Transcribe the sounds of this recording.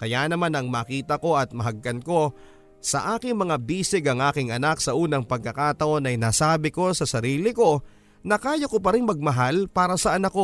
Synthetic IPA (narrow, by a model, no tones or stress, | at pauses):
kɐjaːnɐmanɐŋmaːkiːt̪ɐko̞ɐt̪̚mɐɦɐɡːɐnko̞ | sɐ̰ʔaːkɪŋmɐŋabiːsɪɡɐŋʔaːkɪŋɐnaksɐʔuːnɐŋpɐɡ̚kːɐkaːt̪ɐʔo̞nɐjnaːsaːbɪko̞sɐsɐɾiːlɪko̞ | nɐkaːjokopɐɾɪŋmɐɡ̚mɐɦalpaːɾɐsɐʔɐnɐkːo̞